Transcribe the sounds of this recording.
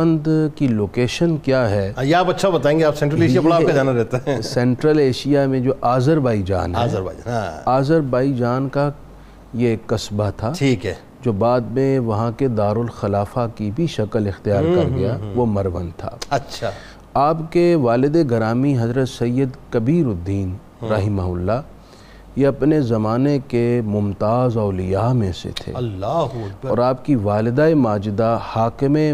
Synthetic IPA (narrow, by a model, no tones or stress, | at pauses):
ɐ̃nd̪kiloːkeːʃənkjaːɦɛjeaːpɐtːʃʰabɐt̪aːẽːŋɡeaːpsɛ̃ɳʈɾəleːʃijabɐɽaːkad͡ʒaːnaɾɛɦt̪eɛ̃sɛ̃ːɳʈɾəleːʃijamẽd͡ʒoːʔaːzəɾbaːid͡ʒa̰ːnɦaɛːzəɾba̰ːiaaːzəɾbaːid͡ʒaːnka | jeːkːɐsbat̪ʰaːʈʰiːkɦɛː | d͡ʒoːbaːd̪mẽʋɐɦãked̪aːɾʊlxɐlaːfakibʱiʃɐkəlɪxt̪ijaːɾkɐɾɡɐjaʋomɐɾʋə̰nt̪ʰa̰ːɐtːʃʰa | aːpkeʋaːlɪd̪eɡɐɾaːmiɦɐzɾət̪sɐjːəd̪kɐbiːɾʊd̪ːiːn | ɾɐɦɪmaɦʊlːa | jeɐpnezɐmaːnekemʊmt̪aːzɔːlɪjaːmẽsḛt̪ʰḛːlːɐkɔːɾaːpkiʋaːlɪd̪aemaːd͡ʒɪd̪ahaːkɪme